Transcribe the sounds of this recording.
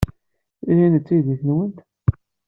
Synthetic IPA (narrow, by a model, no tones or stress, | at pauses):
ihinət͡s̪ːiðəçənwənt̪